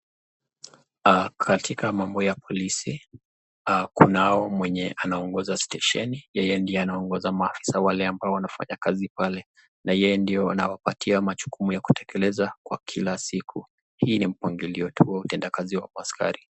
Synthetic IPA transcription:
akʰatʰikamambɔjapʰɔlisi | kunaɔmwɛɲɛanaɔŋɡɔzastɛʃɛnijɛjɛndiɛanaɔŋɡɔzamaːfi̥sawalɛambaɔwanafa̰ɲakazipalɛ | najɛjɛndiɔanawapatʰiamat͡ʃu̥kumujaku̥tɛkʰɛlɛzakwa̰kʰilasikʰu | hiːnim̩pwaŋɡiliɔtʰuwautɛndakaziwa̰maska̰ɾi

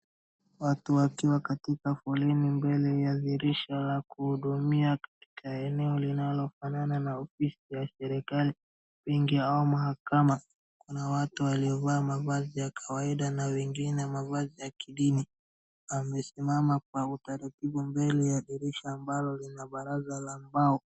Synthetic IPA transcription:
watuwakiwakatikafɔlinimbɛlɛjaðiɾiʃalakuhuɗumiakḁti̥kʰaɛnɛɔlinalɔfanananaɔfisijasɛɾɛkali | wiŋɡiaumaɦakama | kunawatuwaliɔvaːmavazijakʰawaiɗanawɛŋɡinɛmavazijakiɗini | wamɛsimamak̚wautaɾatiɓumbɛlijaðiɾiʃaːmbalɔlinaɓaɾazalambaɔ

